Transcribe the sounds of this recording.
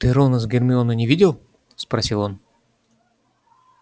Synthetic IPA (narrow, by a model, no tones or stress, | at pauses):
t̪ɨɾonəzɡʲɪrmʲɪonənʲɪvʲidʲɪlˠ | spɾɐsʲilˠo̞n